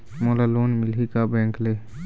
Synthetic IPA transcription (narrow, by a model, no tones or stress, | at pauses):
moːlaloːnmɪlɦikabɛ̃ːŋkle